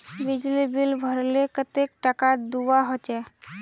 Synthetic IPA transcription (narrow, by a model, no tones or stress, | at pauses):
bid͡ʒlibilbʱəɾlekət̪ek̚ʈakad̪uwaɦot͡ʃɛ